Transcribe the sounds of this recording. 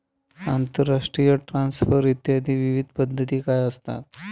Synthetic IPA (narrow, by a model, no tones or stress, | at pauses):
ant̪əɾːaʂʈɾijəʈɾãnsfəɾit̪jad̪ʱiːʋiʋid̪̚ʱpəd̪ʱːət̪iːkajəst̪a̰t̪